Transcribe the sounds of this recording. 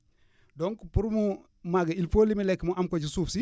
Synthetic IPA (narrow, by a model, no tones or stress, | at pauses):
donkupuɾmu | maɡailfolimilekːmuʔamkot͡ʃisufsi